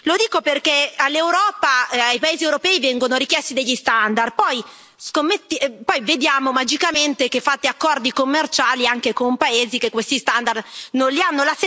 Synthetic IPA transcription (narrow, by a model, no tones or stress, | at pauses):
lod̪iːkoperkealːewɾɔːpaajpaeːziewɾopɛːivɛŋɡonoɾikjɛst̪id̪eʎːist̪and̪arpɔj | skomːet̪ːpɔjved̪jaːmomad͡ʒikament̪ek̟efːat̪ːeakːɔrd̪ikomːert͡ʃaːliaŋkekompaeːzikekːwest̪ist̪and̪arnonlianːolas